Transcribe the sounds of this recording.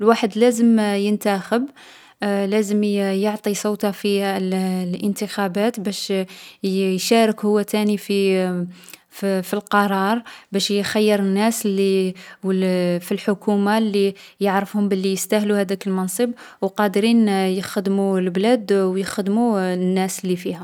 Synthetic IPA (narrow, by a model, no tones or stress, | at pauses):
lwaħəd̪læzəmjənt̪æxəb | læzəmjoʕt̪ˤisˤowt̪ɑfillʔənt̪əxæbæt̪bæʃ | jʃæɾəkhʊwːæt̪ænifi | filqɑɾˤɑɾˤbæʃjxæjːəɾˤənːæslːiwfilħʊkumalːijəʕɾəfhʊmbəlːijəst̪æhluhæd̪ækəlmɑnsˤəbwqɑd̪ɾinjəxəd̪mulblæd̪wjəxəd̪munːæslːifihæ